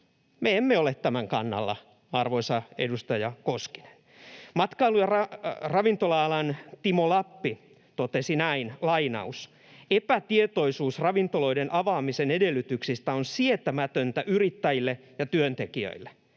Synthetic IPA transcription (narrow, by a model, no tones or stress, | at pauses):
meemːeolet̪t̪ːæmæŋkɑnːɑ̰lːɑ̰ | ɑrʋoisɑedust̪ɑjɑkoski̥ne̥n | mɑt̪kɑilujɑrɑrɑʋint̪olɑɑlɑnt̪imolɑpːi | t̪ot̪esinæinlɑinɑ̰us | epæt̪iet̪oisuːsrɑʋint̪olo̞idenʔɑʋɑːmisenedelːyt̪yksist̪æonsiet̪æmæt̪ønt̪æʔyrit̪ːæjilːe | jɑt̪yønt̪ekiø̰ilːe